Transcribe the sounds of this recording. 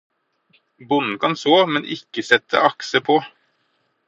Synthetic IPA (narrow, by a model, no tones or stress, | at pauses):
bʊnn̩kʰɑnsoːmɛnʔɪ̰kəsɛt̪ʰə̰ʔɑksəpʰoː